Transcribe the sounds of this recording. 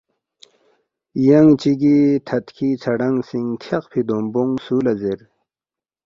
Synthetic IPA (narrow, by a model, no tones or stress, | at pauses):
jɐŋt͡ɕiɡit̪ʰɐt̪kʰit͡sʰɐɖɐŋsiŋt̪ʰɐqpʰid̪omboŋsuːlɐzeɾ